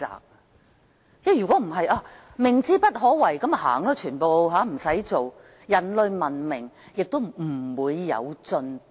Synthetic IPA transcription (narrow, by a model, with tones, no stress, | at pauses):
a̰ː˨˩k̚ | jɛː˥jyː˨kɔ˨˧˥m̩˨˩ɦɐ˨jʔaː˧ | mɪ˨˩ŋt͡siː˥pɐ˥t̚ɦɔː˨˥wɐ˨˩jkɐ˨˥ma˨ha̰ː˨˩ŋlɔː˥t͡ʃʰyː˨˩npo˨wɦaː˨˥m̩˨˩sɐ˨˥jt͡so˨w | jɐ˨˩nlɵ˨˧ɥmɐ˨˩nmɪ˨˩ŋjɪ˨k̚t̪o˥wm̩˨˩wuː˨˧jːɐ̰˨˧wt͡sɵ˧n